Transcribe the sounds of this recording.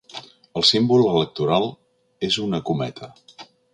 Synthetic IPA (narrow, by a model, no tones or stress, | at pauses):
əlˠsimbulˠələk̚t̪uɾalˠ | ezunəkumɛ̰t̪ʰə